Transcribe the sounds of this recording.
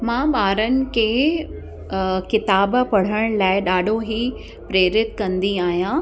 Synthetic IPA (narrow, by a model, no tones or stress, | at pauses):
mãːɓaːɾənɪ̆kʰeː | kɪt̪aːbpɐɽ̤əɽ̃laːɪɗaːɖʱoɦiː | pɾeːɾɪt̪kɐ̃nd̪iaːɦijãː